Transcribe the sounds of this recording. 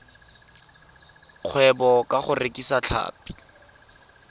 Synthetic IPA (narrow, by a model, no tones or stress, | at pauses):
q͡χʰwɛbɔkʼaχʊrekʼisat͡ɬʰa̰ːpi̥